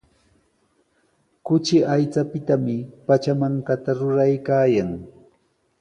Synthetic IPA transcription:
kʊt͡ʃɪʔajt͡sapɪt̪amɪpat͡ʃamaŋkat̪aɾʊɾajkaːjaŋ

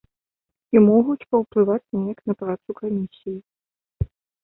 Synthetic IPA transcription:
imɔɣut͡sʲpɐwplˠɨvat͡sʲnʲɛjaknɐpɾat̪sukamʲisʲiji

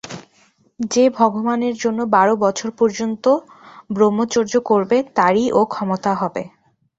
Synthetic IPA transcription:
d͡ʑebʱɔɡomaneɾd͡ʑonːobaɾobɔt͡ɕʰoɾpɔɾd͡ʑont̪o | bɾomːot͡ɕoɾd͡ʑokoɾbet̪aɾiʔokʰɔmot̪aɦɔbe

